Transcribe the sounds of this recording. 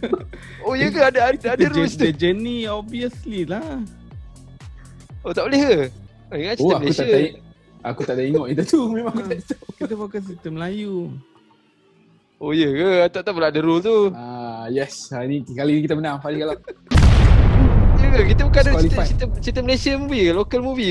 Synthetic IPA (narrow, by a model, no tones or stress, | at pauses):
ojəkaadəd̪adəɾuit̪əd͡ʒəniobiəslilah | ot̪aʔboleɦa | əŋat͡ʃit̪əaməluaai | akut̪aʔdaiŋɔʔit̪ut̪umẽmaŋkutaʔit̪əkit̪əfokas̬it̪əmlaju | ojəkəat̪aʔt̪aʔbəlaʔdəɾult̪uajɛsanikalinikit̪̬əbənaŋfalikala | jəkəkit̪əbukadəit̪it̪ət͡ʃit̪əməlesəmubiklokəlmuvi